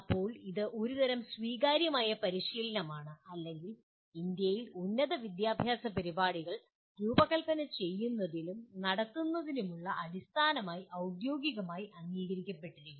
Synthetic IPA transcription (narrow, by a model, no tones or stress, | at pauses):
pːo̞ːɭiðɨʔo̞ɾud̪ɐɾɐmsʋiːɣaːɾjɐmaːjɐpɐɾiɕiːlɐnɐmaːɳɨɐlːe̞ŋɡil | ind̪jɐjilunːɐðɐʋid̪jaːbʱjaːsɐpɐɾibaːɽiɣɐɭ | ɾuːbɐɣɐlpɐnɐt͡ɕe̞jːunːɐðilumnɐɽɐt̪ːunːɐðinumuɭːɐʔɐðist̪ʰaːnɐmaːjiʔɐwd̪jo̞ːɡiɣɐmaːjiʔɐŋːiːɣɐɾikʲːɐpːe̞ʈːiɾiju